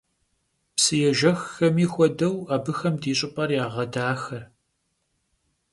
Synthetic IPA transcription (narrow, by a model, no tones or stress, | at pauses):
psɨjɛʒɐxːɐmiːxʷɔdɐwaːbɨxɐmdiːɕʼɪpʼɐrjaːʁɐdaːxɐr